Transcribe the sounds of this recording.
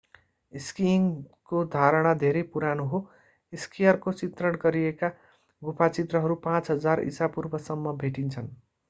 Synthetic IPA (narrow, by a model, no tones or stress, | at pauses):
iskiŋkod̪ʱaɾʌɽ̃ad̪ʱeɾejpuɾanoɦo | iskijʌrkot͡sit̪rʌɽ̃ɡʌɾieka | ɡupʰat͡sit̪rʌɦʌɾupãt͡sɦʌd͡zarḭsapurbʱʌsʌmːʌbʱeʈint͡sʰʌn